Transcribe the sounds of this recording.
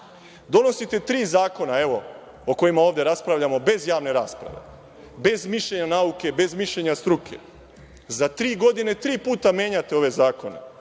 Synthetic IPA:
d̪o̞no̞sit̪e̞t̪ɾiːzaːko̞nae̞ʋo̞ | oko̞imao̞ːʋvd̪jeɾaspɾaʋʎamo̞be̞zjaːʋne̞ɾaːspɾa̰ʋe̞̰ | be̞zmiʃʎe̞ɲanauke̞be̞zmiʃʎe̞ɲast̪ɾukʰe̞̰ | zat̪ɾiːɡo̞d̪ine̞t̪ɾiːpuːt̪amje̞ːɲat̪e̞o̞ʋe̞zaːko̞ne̞̰

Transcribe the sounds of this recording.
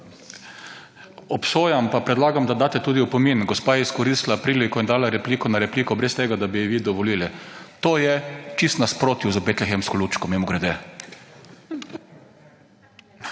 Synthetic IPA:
ɔpsoːjampapɾɛd̪laːɡamd̪ad̪aːt̪ɛt̪uːd̪iupɔminɡɔspaːjɛiskɔɾist̪lapɾiːlikɔjɛnd̪aːlaɾɛpliːkɔnaɾɛpliːkɔbɾɛst̪eːɡad̪abiʋiːd̪ɔʋɔliːlit̪oːjɛt͡ʃist̪naspɾoːt̪juzəbet̪lɛxɛmskɔlut͡ʃkɔmimɔɡɾɛd̪ɛ

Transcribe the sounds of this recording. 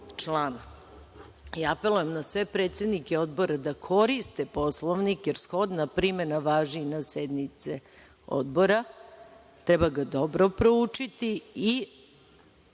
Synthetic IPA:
t͡ʂlaːn | jaape̞lujemnasʋe̞pɾet̪se̞d̪nikeo̞d̪bo̞ɾad̪akʰoɾist̪epo̞slˠoʋnikjeɾsxo̞d̪napɾimenaʋaːʒinased̪nit̪se | o̰d̪bo̞ɾa | t̪ɾɛbaɡad̪o̞bɾo̞pɾout͡ʂit̪ii

